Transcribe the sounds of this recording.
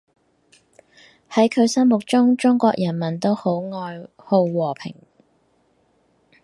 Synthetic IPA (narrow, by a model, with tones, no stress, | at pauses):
hɐ˨˥jkʰɵ˨˧ɥsɐ˥mʊ˨k̚t͡ʃʊ˥ŋt͡ʃʊ˥ŋkʷɔ̰ː˧k̚jɐ˨˩nmɐ˨˩nt̪o˥who˨˥wŋɔː˧j | ho˧wwɔː˨˩pʰɪ̰˨˩ŋ